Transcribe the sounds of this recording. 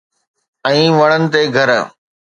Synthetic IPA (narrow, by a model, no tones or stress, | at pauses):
ɛ̃ːʋɐɽ̃ənɪ̆t̪eɡʱɐɾ